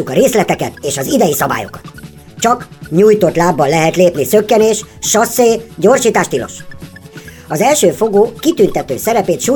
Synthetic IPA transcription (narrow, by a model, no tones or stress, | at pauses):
ukɒɾeːslɛt̪ɛkɛt̪eːʃɒzid̪ɛjisɒba̰ːjo̞̰kɒ̥t̪ | t͡ʃɒkɲuːjt̪o̞t̪laːbːɒnlɛɦɛt̪leːpnisø̞kːɛneːʃʃɒsːeːɟoːrʃiːt̪aːʃt̪ilo̞̰ʃ | ɒzɛlʃøːfo̞ɡoːkit̪ynt̪ɛt̪øːsɛɾɛpeːt̪ʃu